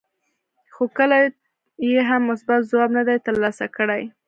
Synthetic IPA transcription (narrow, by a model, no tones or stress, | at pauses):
xokəla | jeɦamːʊsbat̪zwɑbnad̪ajt̪əɾlɑsakəɽaj